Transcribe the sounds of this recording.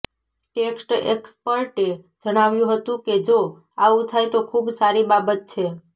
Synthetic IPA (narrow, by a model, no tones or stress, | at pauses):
ʈeksʈḛkspəɾʈe | d͡ʒəɽ̃aʋjũɦət̪ũked͡ʒo | aũt̪ʰajt̪okʰubsaɾibabət̪̚t͡ʃʰe